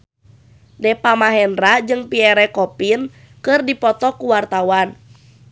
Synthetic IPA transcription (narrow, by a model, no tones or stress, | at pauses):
dɛpamaɦɛndrad͡ʒɨŋpiɛɾɛkɔpin | kɨrdipɔt̪ɔkuwart̪awan